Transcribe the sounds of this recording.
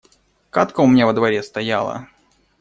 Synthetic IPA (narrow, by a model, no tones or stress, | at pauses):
kat̪kəʊmʲnʲavəd̪vɐɾʲest̪ɐjalˠə̰